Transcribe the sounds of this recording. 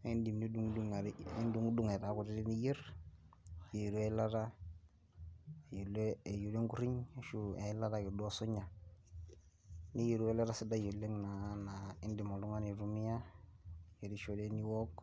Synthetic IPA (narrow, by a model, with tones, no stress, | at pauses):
e˦ndi˨mni˦du˦ŋdu˦ŋa˨i˦ndu˦ŋ˦du˦ŋe˨ta˨ku˨te˦de˦ni˦je˦ɾ | je˨ɾu˦e˦la˦ɾa˦ | e˨jo˨leː˦˨ju˨le˦ŋɡu˦ɾi˦ɲ˨ʃu˦e˨˦la˦ɾa˦ki˨dɔ˦so˦ɲa˨ | ni˦je˨ɾu˦e˦la˦ɾa˦si˦da˦jo˨lːe˦ŋna˨na˨i˦ndi˨mo˨lu˦ŋa˦ni˨ɾu˦mi˦ja˦ | je˨ɾi˦ʃo˦de˦ni˦wɔ˦k